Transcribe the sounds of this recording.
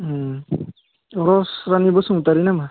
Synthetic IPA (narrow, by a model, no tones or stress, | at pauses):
ɔɾɔsɾanibɔsuŋutaɾinama